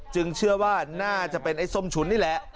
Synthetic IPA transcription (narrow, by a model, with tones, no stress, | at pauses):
t͡ɕɯ˧ŋt͡ɕʰɯ˥˩ɐwaː˥˩naː˥˩t͡ɕa˨˩ʔpe˧nʔa˧˩jso˧˩˨mt͡ɕʰu˨˩˦nːiː˥˩lɛ˨˦˥ʔ